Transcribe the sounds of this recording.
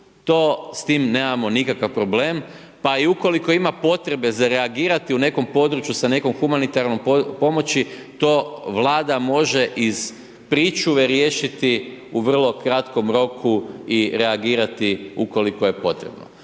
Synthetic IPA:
t̪o̞ːst̪iːmneːmamo̞nikakaʋpɾo̞ble̞ːm | paiuko̞liko̞imapo̞t̪ɾe̞be̞zaɾe̞aɡiːɾat̪iune̞ko̞mpo̞d̪ɾut͡ʃjusane̞ko̞mxumanit̪aɾnompo̞mo̞t͡ɕi | t̪o̞ʋlˠaːd̪amo̞ʒe̞ʔiz̥ | pɾit͡ʃuʋeɾje̞ːʃit̪iuʋr̩lˠo̞kɾat̪ko̞mɾo̞kʰuiɾe̞aɡiːɾat̪iuko̞likoje̞po̞t̪ɾḛbno̰

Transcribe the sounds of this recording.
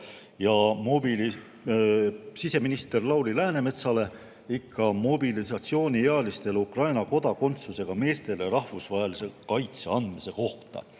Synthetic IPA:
jɑmobili | sise̞minist̪e̞rlɑwlilæːne̞me̞t̪sɑle̞ | ikʰːɑmo̞bilisɑt̪sio̞ːnʲieɑlist̪e̞lukrɑjnɑko̞d̪̥ɑko̞nt̪suse̞ɡ̥ɑme̞ːst̪e̞leɾɑhvusvɑɦelise̞kɑjt̪seɑnd̪̥mise̞ko̞ht̪ɑ̰

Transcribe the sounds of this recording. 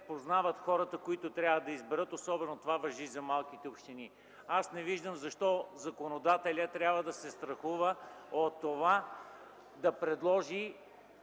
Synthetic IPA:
poznavət̪xɔɾət̪əkoit̪ot̪ɾʲjavəd̪ɐizbɛɾɤt̪osɔbɛnot̪ovavɐʒizɐmalˠk̟it̪ɛopʃt̪ini | asnɛviʒd̪əmzɐʃt̪ɔzɐkonod̪at̪ɛlʲət̪ɾʲjabvəd̪ɐsɛst̪ɾɐxuvəot̪ːova | d̪ɐpɾɛd̪lˠɔʒi

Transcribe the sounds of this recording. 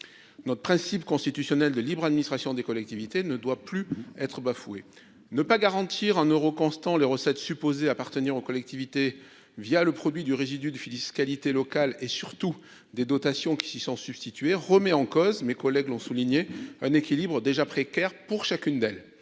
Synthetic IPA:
nɔt̪χəpχɛ̃sipkɔ̃st̪it̪ysjɔnɛld̪əlibʁad̪minist̪χasjɔ̃d̪ekɔlɛk̚t̪ivit̪enəd̪waplyɛt̪χəbafue | nəpaɡaʁɑ̃t̪ʰiʁɛ̃nøʁokɔ̃st̪ɑ̃leʁəsɛt̪sypozeapaʁt̪əniʁokɔlɛk̚t̪ivit̪e | vjaləpχɔd̪ɥid̪yʁezid̪yd̪əfiliskalit̪elɔkalesyʁt̪u | d̪ed̪ɔt̪asjɔ̃kʲi̥sisɔ̃syb̥st̪it̪ɥeʁəmɛɑ̃kɔzmekɔlɛɡlɔ̃suliɲeɛ̃nekʲilibʁəd̪eʒapχekʲɛʁpuʁʃakʲynd̪ɛl

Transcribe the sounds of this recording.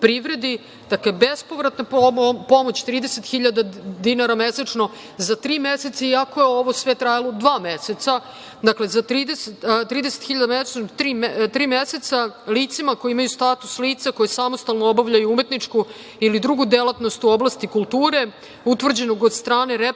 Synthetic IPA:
pɾiʋɾe̞d̪i | d̪̥akle̞be̞spo̞ʋɾat̪napo̞mo̞t͡ɕt̪ɾiːd̪eset̪xiʎad̪ad̪inaɾameset͡ʂno̞ | zat̪ɾiːmeset̪saiako̞jeo̞ʋo̞sʋe̞t̪ɾajalod̪ʋaːmeset̪sa | d̪akle̞zat̪ɾiːd̪eset̪ɾiːd̪eset̪xiʎad̪ameset͡ʃnot̪ɾiːmt̪ɾiːmese̞t̪saliːt̪simako̞jiimajust̪at̪u̥sliːt̪sako̞jesamost̪alnoobaʋʎajuume̞t̪nit͡ʂku | ilid̪ɾuɡud̪elˠat̪no̞st̪uo̞blˠast̪ikulˠt̪uːɾe̞ | ut̪ʋr̩d͡ʑe̞noɡod̪st̪ɾaːne̞ɾe

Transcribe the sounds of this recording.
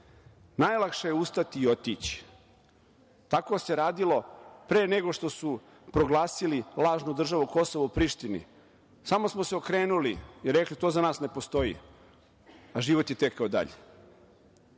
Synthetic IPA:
najlˠakʃejeust̪at̪iːot̪it͡ɕi̥ | t̪ako̞se̞ɾaːd̪ilˠo̞pɾe̞ːneɡo̞ʃt̪o̞su | pɾo̞ɡlˠaːsililˠaːʒnud̪r̩ʒaʋuko̞so̞ʋoupɾiʃt̪inḭ | samo̞smoseokɾeːnulijɛɾːeklit̪o̞ːzanaːsne̞po̞st̪o̞ḭ | aʒiʋo̞t̪jet̪ekːaod̪a̰ʎḛ

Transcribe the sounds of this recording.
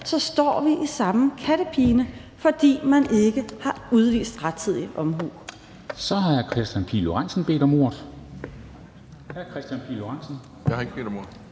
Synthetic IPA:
sɒ̽sd̥ɒ̰ːʋiʔisɑ̈məkʰæɾəpʰiːnə | fɒ̽d̥ḭːmæne̝ɡ̥əhɑ̈uð̞ˠʋḭːsd̥ʁad̥̚t͡sʰið̞̰ˠiʔɒ̽mɦṵː | sɒ̽hɑ̈kʰʁɛsd̥jænpʰḭːloʁan̰sn̩b̥e̝̰ːd̥ɒ̽mo̝ːɐðˠ | hækʰʁɛsd̥jænpʰḭloʁɑnsn̩ | jahɑe̝ɡ̥əbe̝̰ːd̥ɒmo̝ɐ̰

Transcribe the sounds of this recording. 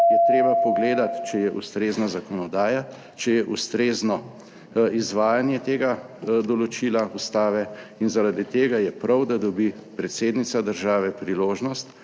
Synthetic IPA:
jɛt̪ɾeːbapɔɡleːd̪at̪t͡ʃɛjɛʔṵst̪ɾeːznazakɔnɔd̪aːja | t͡ʃɛjɛʔust̪ɾeːznɔ | izʋaːjanjɛt̪eːɡad̪ɔlɔt͡ʃiːlaust̪aːʋɛinzaɾad̪it̪eːɡajɛpɾawd̪ad̪ɔbipɾɛt̪seːd̪nit̪sad̪əɾʒaːʋɛpɾiloːʒnɔst̪

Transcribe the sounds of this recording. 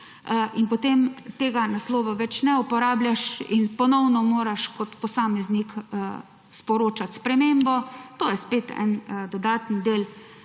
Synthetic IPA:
ʔinpɔt̪emt̪eːɡanaslɔːʋɔʋɛt͡ʃnɛupɔɾaːbljaʃḭnpɔnɔwnɔmoːɾaʃkɔt̪pɔsaːmɛznik | spɔɾoːt͡ʃat̪spɾɛmeːmbɔt̪oːjɛspeːt̪ɛ̰nd̪ɔd̪aːt̪nd̪eːl

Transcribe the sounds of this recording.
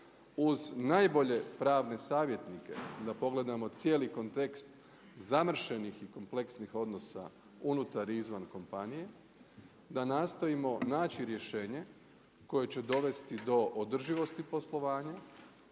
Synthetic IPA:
uznajbo̞ʎe̞pɾaːʋne̞saːʋje̞t̪nike̞̰d̪apo̞ɡle̞d̪amo̞t̪sje̞ːliko̞nt̪e̞kst̪ | zamr̩ʃenixiko̞mple̞ksnixo̞d̪no̞sa̰ | unut̪aɾizʋanko̞mpanije̞ | d̪anaːst̪o̞imo̞naːt͡ɕiɾje̞ʃeːɲe̞ | ko̞je̞t͡ɕed̪o̞ʋe̞st̪id̪o̞ʔod̪r̩ʒiʋo̞st̪ipo̞slˠo̞ʋaːɲa

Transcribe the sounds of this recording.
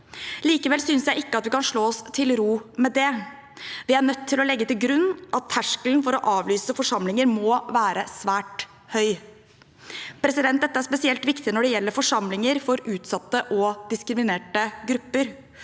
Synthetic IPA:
liːkəʋɛlsʏnsjæɪɪkːəɑt̪ʋɪkɑnʂɭoːɔst̪ʰɪlɾuːmɛd̪ɛ | ʋɪæɳœt̪ʰːɪlɔlɛɡːət̪ɪlɡɾʉnːʔɑt̪ʰːæʂkəlnfɔɾɔʔɑːʋlyːsəfɔʂɑmlɪŋəɾmɔːʋæːɾəsʋæːʈ | hœʏ | pʰɾɛsɪd̪ɛnt̪d̪ɛt̪ːəæɾʂspɛsɪɛlt̪ʋɪkt̪ɪnɔɖɛjɛlːəɾfɔʂɑmlɪŋəɾfɔɾʉːt̪sɑt̪ːəʔɔd̪ɪskɾɪmɪneːʈəɡɾʉpːəɾ

